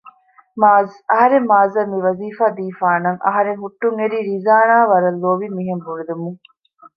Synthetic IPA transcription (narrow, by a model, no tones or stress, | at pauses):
maːzɐɦɐɾemːaːzɐmiʋɐziːfaːd̪iːfaːnɐŋʔɐ̰ɦɐɾeŋɦuʈːuŋeɾiːɾizaːnaːʋɐɾɐlːoːʋimiɦembuɭud̪umuŋ